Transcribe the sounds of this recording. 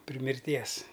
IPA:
pʲrʲɪ mʲɪrʲˈtʲiɛs

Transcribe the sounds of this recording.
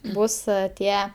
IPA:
ˈbʊs ˈtʲiɛ

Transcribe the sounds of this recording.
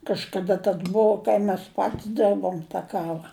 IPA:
kɐʃkɐˈdɐ tɐs ˈboːʊ kɐɪ mʲɛs ˈpɐtʲsʲ ˈdʲɛrboːm tɐ ˈkɑːʋɐ

